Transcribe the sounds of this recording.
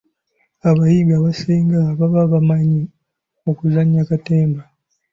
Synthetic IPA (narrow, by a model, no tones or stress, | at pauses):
aβajiɡaβaseːŋɡaβaβaβamaɲi | okuzaɲjakateːmba